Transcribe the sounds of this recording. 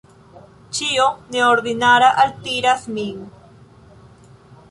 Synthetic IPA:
t͡ʃioneoɾðinaɾaʔalt̪iɾasmiŋ

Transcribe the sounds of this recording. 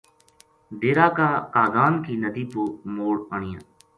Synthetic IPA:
ɖ̪eːɾaːkaːkaːɡaːnkʰiːnəd̪iːpoːmoːɽəɳɪjã̰ː

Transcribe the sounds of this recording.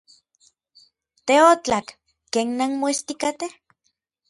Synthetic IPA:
t̪eot͡ɬakː | eːnːanmoist̪ikat̪eh

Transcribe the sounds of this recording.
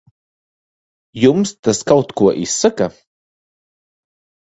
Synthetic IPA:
jumst̪əskawt̪kuɐʔisəka

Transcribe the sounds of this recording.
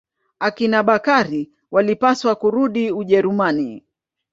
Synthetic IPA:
akinaɓakaɾi | walipaswakuɾuɗiuʄɛɾumani

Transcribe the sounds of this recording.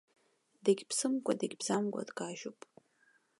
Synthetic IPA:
daɡʲpʰsɨmɡʷʼadaɡʲbz̥amɡʷʼa̰dɡʼaʒopʼ

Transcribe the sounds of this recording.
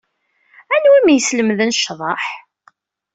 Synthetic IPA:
ænwimjəsləmðənʃːðˤɑħ

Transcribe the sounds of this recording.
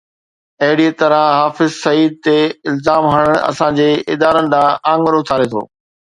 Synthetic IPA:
ɐɦɪɽiet̪ɐɾə̃ɦaːfɪzsɐiːd̪̚t̪eɪlzaːmɦɐɽ̃əɽ̃ɐ̰sãd͡ʑeːɪd̪aːɾən̆d̪ãːãːŋɡəɾʊt̪ʰaːɾet̪ʰo̰ː

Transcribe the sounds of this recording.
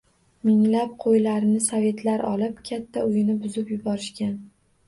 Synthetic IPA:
mɪŋlap̚qʰojlaɾɪnɪsave̞t̪laɾɒlˠɪpkʲʰat̪ʰːaʊjɪnɪbʊzɪpjʊbɒɾɪʃkʲan

